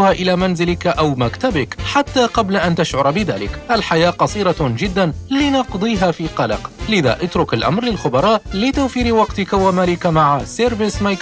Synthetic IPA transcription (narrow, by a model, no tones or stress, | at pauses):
ʊhaːʔɪlaːmanzɪlɪkʔawmakt̪abɪkħat̪ːaːqɑblaʔant̪aʃʕʊɾˤbɪða̰ːlɪ̰kʔalħajaːqɑsˤiːɾɑd͡ʒɪd̪ːanlɪnɑqd̪ˤiːɦaːfiːqɑlɑ̰qlɪða̰ːʔat̪ɾʊkalʔa̰mɾlɪlxʊbɑɾˤɑːʔlɪt̪awfiːɾwɑqt̪ɪkawamaːlɪkamaʕaseɾbɪsmajk